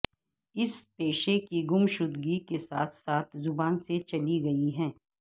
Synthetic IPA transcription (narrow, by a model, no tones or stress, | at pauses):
ɪspeːʃekiɡʊmʃʊd̪ɡikesaːt̪ʰsaːt̪ʰzʊbaːnset͡ʃɐliɡɐiɦɛ̃ː